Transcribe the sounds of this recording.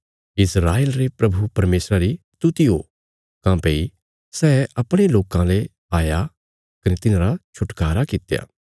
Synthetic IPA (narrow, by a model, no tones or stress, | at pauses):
ɪsɾaːeːlɾepɾɐbʱupɐɾmeːsɾaɾist̪ut̪iɦo | kãːpei | sɛːɐpɽ̃eloːkãle | aːja | kɐnet̪ɪnãɾat͡ʃʰʊʈkaːɾakɪt̪ja̰ː